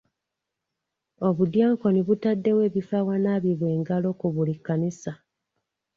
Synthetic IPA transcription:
o̞βud̪jaːŋko̞niβutadːe̞we̞ːβifawanaːβiβwe̞ːŋɡalo̞ːkuβulikːanisa

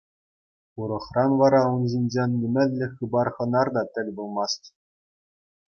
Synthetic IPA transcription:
uɾɤ̆χrɑnʋɑɾɑunʑinʲd͡ʑenʲːɘ̆mʲɘ̆lʲlʲɘ̆xʲɯbɑrχɤ̆nɑrd̪ɑt̪ʲɘ̆lʲbulˠmɑstʲ

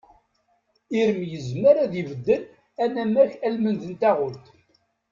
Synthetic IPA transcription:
iɾəmjəzməɾæðivəd̪ːəl | ænæmːæçælmənðənt̪æʁʊlt̪

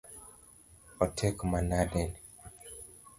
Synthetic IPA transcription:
ɔtʰɛkmanadɛn

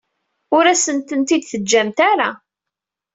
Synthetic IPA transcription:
ʊɾæsənt̪ənt̪id̪θəd͡ʒːæmt̪aɾa

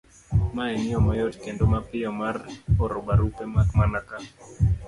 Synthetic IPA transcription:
maɛnɪɔmɔjɔtkɛndomapɪɔmarɔɾɔbaɾupemakmanaka

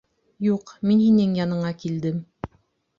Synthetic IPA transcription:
juqminhinɘŋjɑnɤ̆ɴɑkild̪ɘm

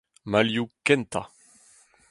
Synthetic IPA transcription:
maljukɛnt̪a̰

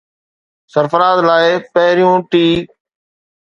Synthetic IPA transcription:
səɾfəɾaːzlaːɪpəɦɾɪjũːʈiː

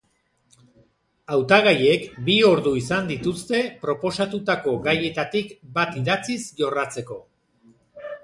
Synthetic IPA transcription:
awt̪aɣaje̞kbio̞ɾðuisand̪it̪ust̪e̞pɾo̞po̞sat̪ut̪ako̞ɡaje̞t̪at̪ikbat̪iðat͡sisʝo̞rat͡se̞ko̞

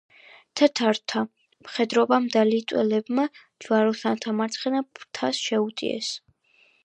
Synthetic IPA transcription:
t̪ʰət̪ʰaɾt̪ʰa | mχɛd̪ɾɔbamd̪alit̪ʼwɛlɛbma | d͡ʒvaɾɔsant̪ʰamaɾt̪sʰχɛnapʰt̪ʰasʃɛut̪ʼḭɛ̰s

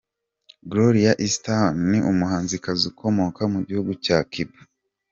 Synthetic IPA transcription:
ɡloɾiaʔistanːiʔumuhaːnzikazikʰo̞mo̞kamuɟihuɡucaːkʰiba

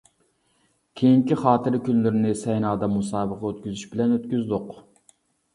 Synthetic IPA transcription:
kʲʰejiŋkʲiχɑːt̪ʰɨɾɪkʲʰynlɪɾɪnɪsɛjnɑːd̪ɑmusɑːbəqɑøt̪̚kʲyzyʃbɪlɛnøt̪̚kʲyzd̪ʊq

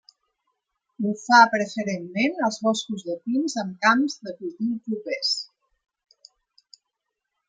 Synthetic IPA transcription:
ufapɾəfəɾemːenəlˠzβɔskuzðəpinzəmkamzðəkuðilpɾupes

